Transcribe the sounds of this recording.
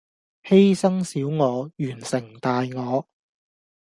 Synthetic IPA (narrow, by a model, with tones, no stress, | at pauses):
he˥jsɐ˥ŋsiː˨˥wŋɔː˨˧jyː˨˩nsɪ˨˩ŋt̪aː˨jŋɔː˨˧